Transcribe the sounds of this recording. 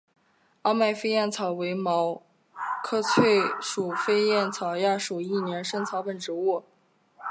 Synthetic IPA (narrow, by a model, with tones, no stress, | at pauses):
ɑ˥ʊma˥˧ɪfe˥ɪjɛ˥˩nt͡sʰɑ˨˩ʊwe˧˥ɪmɑ˧˥ʊ | kʰɤ˥t͡sʰwe˥˩ɪʂu˨˩fe˥ɪjɛ˥˩nt͡sʰɑ˨˩ʊja˥˩ʂu˨˩i˥˩njɛ˧˥nʂɤ˥ŋt͡sʰɑ˧˥ʊpə˨˩nʈ͡ʂɻ̩˧˥wu˥˩